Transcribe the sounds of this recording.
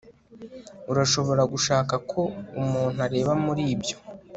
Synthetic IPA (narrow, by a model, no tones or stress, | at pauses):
uɾaʃo̞βo̞ɾaɡuʃaːkakʰo̞umuːnuaɾe̞ːβamuɾiːbjo̞